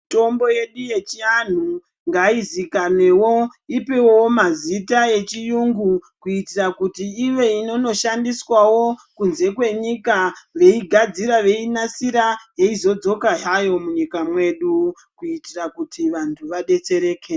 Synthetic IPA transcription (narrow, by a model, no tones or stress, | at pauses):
to̞mbo̞je̞ɗuje̞t͡ʃian̤u | ŋɡaizikane̞wo̞ipewoomazitae̞t͡ʃijuŋɡukuitirakutiiʋe̞ino̞no̞ʃandiswawo̞kunze̞kwe̞ɲikaʋe̞iɡʱad͡ziɾaʋe̞inasiɾajeizo̞d͡zo̞kaɦajo̞muɲikamwe̞ɗu | kuitirakutiʋantʰuʋaɗe̞t͡se̞ɾe̞ːke